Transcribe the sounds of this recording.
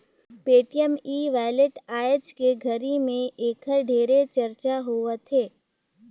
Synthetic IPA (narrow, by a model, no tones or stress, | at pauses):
peːʈijəmiːʋaːjleʈaːjət͡ʃkeɡʱəɾimẽʔeːkʰəɾɖʱeːɾet͡ʃəɾt͡ʃaɦoːət̪ʰeː